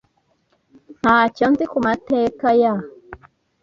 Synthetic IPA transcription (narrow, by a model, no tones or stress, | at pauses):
hacɔnzikumatekaja